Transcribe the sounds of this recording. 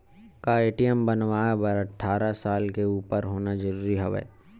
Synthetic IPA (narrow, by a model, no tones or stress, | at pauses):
kaeːʈijəmbɐnʋaːbɐɾɐʈʰːaːɾasaːlkeuːpəɾɦoːnad͡ʒɐɾuːɾiɦɐʋɛ̰ː